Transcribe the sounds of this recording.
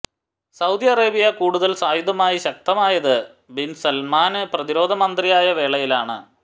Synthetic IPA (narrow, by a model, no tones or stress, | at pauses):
sɐwd̪ijɐreːbijɐkuːɽuðɐlsaːjud̪ɐmaːjiɕɐk̚t̪ɐmaːjɐðɨ | binsɐlmaːnɨprɐðiɾo̞ːd̪ʱɐmɐnd̪rijaːjɐʋe̞ːɭɐjilaːɳɨ̰